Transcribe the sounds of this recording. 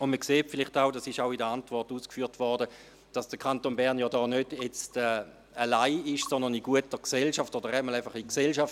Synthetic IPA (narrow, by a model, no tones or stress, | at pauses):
ʊndməkseːtfɪlɪχtaʊdasɪʃaʊidəantv̥ɔʁtuːskfyːɐtvɔʁdə | d̥ɑsd̥əkʰantoːnbɛɐʁnjɔːdɔːnød̥jɛt͡stɛː | əlaɪɪʃsɔndəniɡuətəksɛlʃaftodəʁɛtmalaɪfɐχiksɛlʃaf